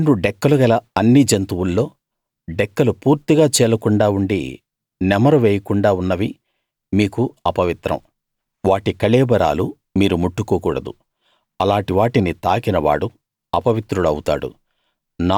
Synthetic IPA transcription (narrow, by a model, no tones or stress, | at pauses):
ɾuɖɛkːɐluɡɐlɐɐnːid͡ʒɐnt̪uwulːo̞ː | ɖɛkːɐlupuːɾt̪iɡaːt͡ʃɛːlɐkuɳɖaːuɳɖḭ | nɛmɐɾɐʋeːjɐkuɳɖaːunːɐʋi | miːkuɐpɐʋit̪ɾɐ̰m | ʋaːʈikɐɭɛːbɐɾa̰ːlu | miːɾumuʈːukuːkuːɽɐd̪ṵ | ɐlaːɳʈiʋaːʈinit̪aːkinɐʋa̰ːɽu | ɐpɐʋit̪ɾuluɐ̰wut̪a̰ːɽṵ | na